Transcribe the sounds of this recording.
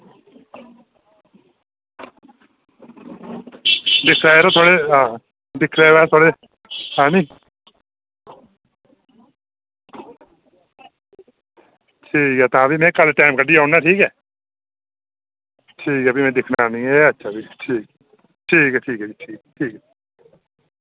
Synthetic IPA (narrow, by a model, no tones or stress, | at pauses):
d̪ɪkʰːɾaːeɾot̪ʰoːɽeːɦãː | d̪ɪkʰːɾeːʋat̪ʰoːɽeː | hãːnĩː | ʈʰiːkɦɛːt̪ãːbiːmɛ̃ːkəlʈaːmkəɖiːaːnãːʈʰiːkɛː | ʈʰiːkɛːbimɛ̃ːd̪ɪkʰnaːnĩːɛːətːʃʰaːbiːʈʰiːk | ʈʰiːkɛːʈʰiːkɛːiʈʰiːkːʈʰiːkɛː